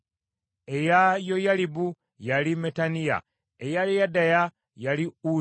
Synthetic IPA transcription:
e̞jajo̞jalibu | jalime̞tanija̰ | ejalijadaja | jaliu

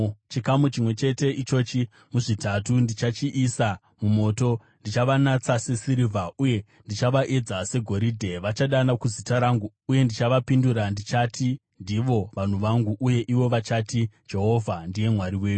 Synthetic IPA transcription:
t͡ʃikamut͡ʃimwe̞t͡ʃe̞te̞ʔit͡ʃo̞t͡ʃi | muʐitatundit͡ʃat͡ʃiʔːsa | mumo̞to̞ | ndit͡ʃaʋanat͡sase̞siɾivʱauje̞ | ndit͡ʃaʋaʔe̞d͡zase̞ɡʱo̞ɾidʱe̞ʋat͡ʃaɗanakuzitaɾaŋɡuːje̞ndit͡ʃaʋapinduɾandit͡ʃatʰi | ndiʋo̞ʋan̤uʋaŋɡuʔuje̞ʔiʋo̞ʋat͡ʃatid͡ʒe̞ɦo̞vʱandije̞mwaɾiwe̞ːju

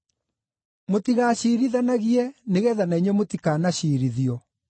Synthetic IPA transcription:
motiɣaɕiːɾiðanaɣiɛneɣɛðanaiɲwɛmotikaːnaɕiːɾiðiɔ

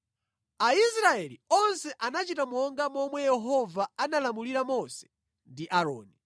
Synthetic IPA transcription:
aisɾaɛliɔnsɛʔanat͡ʃitamɔŋɡamɔmwɛjɛɦɔvaanalamuliɾamɔsɛ̥ | ndiʔaɾɔ̰ːni

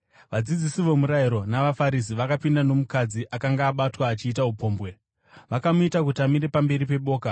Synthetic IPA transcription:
ʋad͡zid͡zisiʋo̞muɾaiɾo̞naʋafaɾis̬iʋakapindano̞mukad͡ziʔakaŋɡaːɓatwaːt͡ʃiːtaɦupo̞ːmbwe̞ | ʋakamuitak̬utamiɾe̞pambe̞ɾipe̞ɓo̞ːka

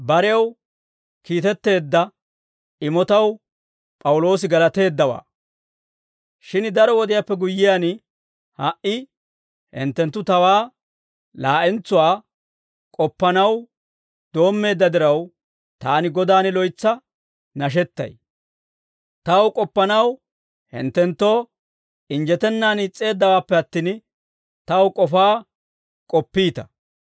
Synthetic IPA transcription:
bɐɾɛjɐw | kiːt̪ɛt̪ːe̞ːd̪ːɐ | ʔɪmɔt̪ɐw | pʼɐwʊlo̞ːs̬ɪɡɐlɐt̪e̞ːd̪ːɐwa̰ː | ʃɪnd̪ɐɾɔwɔd̪ɪjapːɛɡʊjːɪjan | hɐʔɪ | hɪ̰nt̪ːɛnt̪ːʊt̪ɐwaː | laːʔɛnt͡sːʊwaː | kʼɔpːɐnɐw | d̪̥o̞ːmːe̞ːd̪ːɐd̪ɪɾɐw | t̪aːnɪɡɔd̪aːnɪlɔjt͡sːɐ | nɐʃ̬ɛt̪ːɐ̰j | t̪ɐwkʼɔpːɐnɐw | hɪ̰nt̪ːɛnt̪ːo̞ː | ɪnd͡ʒɛt̪ɛnːaːnɪt͡sʼːe̞ːd̪ːɐwaːpːɛɐt̪ːiːn | t̪ɐwkʼɔfaː | kʼɔpːiːt̪ɐ

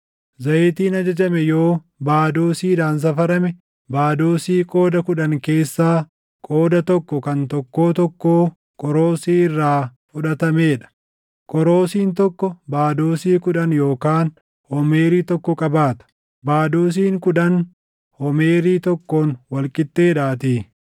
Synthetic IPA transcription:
zɐjt̪iːnɐd͡ʒɐd͡ʒɐmɛjo̞ː | baːd̪oːsiːd̪aːns̬ɐfɐɾɐmɛ | baːd̪oːsiːkʼo̞ːd̪ɐkʊᶑɐŋke̞ːsːaː | kʼoːd̪ɐt̪ɔkːɔkɐnt̪ɔkːo̞ːt̪ɔkːoː | kʼɔɾo̞ːsiːɪrːaːfʊᶑɐt̪ɐmeːᶑɐ̥ | kʼɔɾo̞ːsiːnt̪ɔkːɔbaːd̪oːsiːkʊᶑɐnjo̞ːkaːn | hɔmeːɾiːt̪ɔkːɔkʼɐbaːt̪ɐ̥ | baːd̪uːs̬iːŋkʊᶑɐn | hɔme̞ːɾiːt̪ɔkːoːnwɐlkʼɪt̪ːe̞ːᶑaːt̪i

